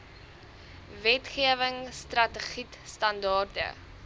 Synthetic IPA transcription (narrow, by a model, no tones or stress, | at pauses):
vɛtχiəvəŋstrɐtəχitstɐndɑːrtə̰